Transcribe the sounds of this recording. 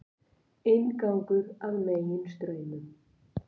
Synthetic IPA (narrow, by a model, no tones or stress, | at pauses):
enkaŋkʏɾaðmeːjɪnst̪ɾœːɥnʏm